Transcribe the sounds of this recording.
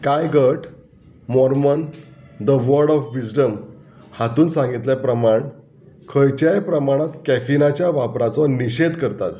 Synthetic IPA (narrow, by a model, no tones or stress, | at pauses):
kajɡəʈʰ | mɔɾmənd̪əʋəɾɽɔfʋid͡ʑɖəm | hat̪uːnsãŋɡit̪ljapɾəmaɳ | kʰəjt͡ɕjajpɾəmaɽ̃at̪kæfinat͡ɕjaʋapɾat͡sɔniɕed̪kəɾt̪at̪